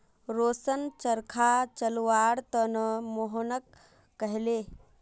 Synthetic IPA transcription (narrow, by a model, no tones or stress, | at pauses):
ɾoːsənt͡ʃəɾkʰat͡ʃəluʋaɽt̪ənəmoɦonəkː | əɦle